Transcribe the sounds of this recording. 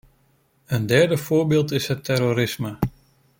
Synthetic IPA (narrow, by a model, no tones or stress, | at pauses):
əndɛɹdəfʊːɹbɪːlˠtɪsɦətʰɛɾoɾɪsmə